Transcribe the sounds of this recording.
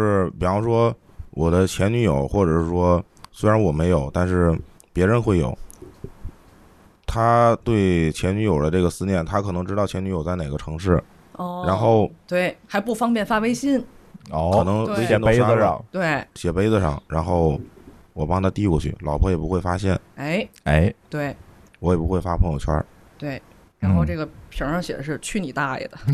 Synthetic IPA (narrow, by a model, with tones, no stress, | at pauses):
ɻ̩˥˩pi˨˩ɑ˥ŋʂwɔ˥ | wʔɔ˨˩d̪ə˦t͡ɕʰjɛ˧˥nny˧˥jo˨˩˦ʊxwɔ˥˩ʈ͡ʂɤ˨˩ʂɻ̩˥˩ʂwɔ˥ | swe˥ɪɻa˧˥nwɔ˨˩me˧˥ɪjo˨˩ʊt̪a˥˧nʂɻ̩˥˩ | pjɛ˧˥ɻə˧˥nxwe˥˩jo̰˨˩ʊ | t̪ʰa˥t̪we˥˩ɪt͡ɕʰjɛ˧˥ny˧˥jo˨˩ʊlə˦ʈ͡ʂɤ˥˩ɡə˩sɹ̩˥njɛ˥˩nt̪ʰa˥kʰɤ˨˩nɤ˧˥ŋʈ͡ʂɻ̩˥tɑ˥˩ʊt͡ɕʰjny˧˥jo˨˩ʊt͡sa˥˩ɪne˨˩ɡə˦ʈ͡ʂʰɤ˧˥ŋʂɻ̩˥˩˧ | ɻa˧˥nxo˥˩ʊt̪we˥˩ɪxa˧˥ɪpu˥˩fɑ˥ŋpjɛ˥˩nfa˥we˥ɪɕi˥n˥kʰnɤ˧˥ŋe˥˧˥ɛ˨˥t̪e˥əɑ˥˩ŋt̪we˥˩ɪɕjɛ˨˩pe˥ɪd͡zə˧ʂɑ̰˥˩ŋɻa˧˥nxo˥˩ʊ | wɔ˨˩pɑ˥ŋt̪ʰa˥t̪i˥˧kwɔ̰˥˧˩t͡ɕʰy̰˥˩lɑ˨˩ʊpʰɔ˧˥jɛ˨˩pu˧˥xwe˥˩ɪfa˥ɕjɛ˥˩ne˥ɪe˥˩ɪt̪we˥˩ɪ | wɔ˧˥jɛ˨˩pu˧˥xwe˥˩ɪfa˥pʰɤ˧˥ŋjo˨˩ʊt͡ɕʰwɐ̰˥ | t̪we˥˩ɪ | ɻa˧˥nxo˥˧ʊʈ͡ʂɤ˥˩ɡə˩ʂə˧˥˧ʂɑ˥˧ŋɕjɛ̰˨˩ə˦ʂɻ̩˥˧t͡ɕʰy˥˩ni˨˩t̪a˥˩lḭ˨˩d̪ə˩